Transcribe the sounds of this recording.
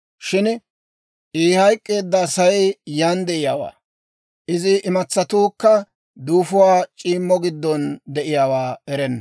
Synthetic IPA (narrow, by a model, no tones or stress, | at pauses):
ʃɪn | ʔiːhɐjkʼːe̞ːd̪ːɐsɐjɛjand̪ɛʔɪjaːwa̰ː | ʔɪzɪʔːmɐt͡sːɐt̪uːkːɐ | d̪uːfʊwaːt͡ʃʼiːmːɔɡɪd̪ːɔnd̪ɛʔɪjaːwaːɛɾɛnːɐ